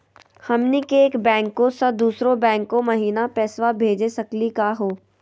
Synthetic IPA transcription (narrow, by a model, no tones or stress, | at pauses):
hɐmnikeeːkbɛ̃ːŋkːõsɐd̪uːsɾõbɛ̃ːŋkːõmɐɦiːnapɛːswabʱeːd͡ʒesɐklikaɦoː